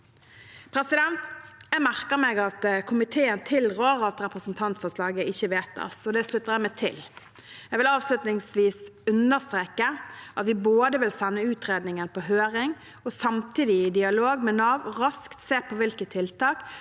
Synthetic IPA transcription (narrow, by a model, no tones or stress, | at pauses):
pʰɾɛsɪd̪ɛnt̪jæɡmæʁkəʁmɛɡɑt̪kʰʊmɪt̪ʰeːənt̪ʰɪlɾoːʁɑt̪ɾɛpʁəsn̩t̪ʰɑnt̪fɔʁslɑːɡəɪçːəʋeːt̪ɑ̰sɔd̪ɛslʉt̪ːəʁjæmɛt̪ʰɪ̰l | jæɡʋɪlɑːʋslʉt̪nɪŋsʋiːsʉnəʁst̪ʁeːkəʔɑt̪ʋɪboːd̪əʋɪlsɛnːəʉːt̪ʁeːd̪nɪŋənpɔɦøːɾɪŋ | ɔsɑmt̪iːd̪ɪːd̪ɪɑloːɡmɛnɑːʋʁɑskt̪seːpʰɔʋɪlkət̪ʰːɪlt̪ɑːk